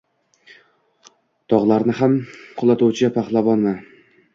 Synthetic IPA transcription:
t̪ʰɒʁlˠaɾnɪɦamqʰʊlˠat̪ʰuwt͡ʃʰɪapʰaχlˠabɒnma

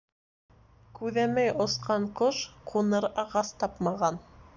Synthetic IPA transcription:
kʉðæmæjŏsqɑɴqoʃqʰunɤɾɑʁɑst̪ɑpmɑʁɑn

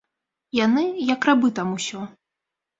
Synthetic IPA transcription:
janɨjɐkɾabɨt̪amusʲɔ

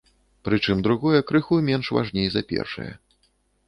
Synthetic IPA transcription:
pɾɨt͡ʂɨmd̪ɾuɣɔjɛkɾɨxujmʲɛnʂva̰ʐnʲejzɐpʲɛ̰rʂɨ̰jɐ̰

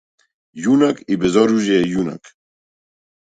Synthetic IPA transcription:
junakʰibɛzɔɾuʒɛɛjuna̰k

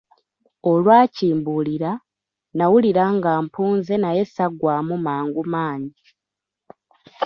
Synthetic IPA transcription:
o̞lwaːciːmbuliɾa | nawuliɾaŋɡaːmpuːnze̞naje̞saɡwaːmumaːŋɡumaːɲɟi

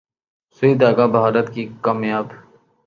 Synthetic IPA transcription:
sʊiːd̪aːɡaːbɦaːɾət̪kikaːmjaːb

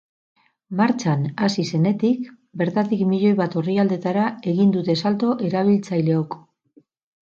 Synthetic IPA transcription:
maɾt͡ʃanasise̞ne̞t̪ik | be̞ɾt̪at̪ikmiʎo̞jβat̪o̞riald̪e̞t̪aɾae̞ɣind̪ut̪e̞salt̪o̞ʔe̞ɾaβ̞ilt͡sajle̞ok

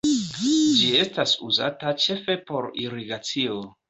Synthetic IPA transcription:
d͡ʒie̞stasuza̰tat͡ʃe̞fe̞po̞ɾiɾiɡat͡sio

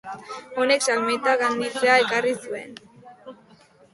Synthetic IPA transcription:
o̞ne̞ksalmet̪aɣand̪it͡seae̞karisue̞̰n

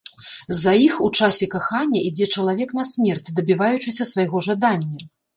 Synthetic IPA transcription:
zɐjixut͡ʂasʲɛkaxanʲːɐʔid͡zʲɛt͡ʂɐlˠavʲɛknɐsʲmʲɛrt͡sʲd̪ɐbʲivajut͡ʂɨsʲɐsvajɣɔʐad̪anʲːɐ

